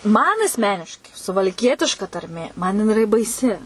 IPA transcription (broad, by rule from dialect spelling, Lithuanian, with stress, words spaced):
ˈmɐn ɐsʲˈmʲæːnʲɪʃkɐɪ sʊʋɐlʲˈkʲiɛtʲɪʃkɐ tɐrʲˈmʲeː mɐn jɪˈnɐɪ ɪˈrɐ bɐɪˈsʲɪ